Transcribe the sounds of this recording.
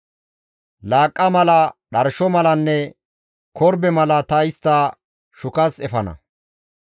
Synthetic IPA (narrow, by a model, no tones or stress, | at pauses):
laːkʼːɐmɐlɐɗɐɾʃɔmɐlɐnːɛ | kʰɔɾbɛmɐlɐt̪ɐɪst̪ːa | ʃʊkɐsɛfɐnɐ̰